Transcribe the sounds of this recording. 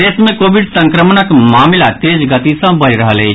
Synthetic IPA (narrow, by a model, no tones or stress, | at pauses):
esmẽkobiɖsə̃ŋkɾəmnəkmaːmlat̪ed͡ʒɡət̪isə̃bəɾiɾəɦəlɛt͡ʃ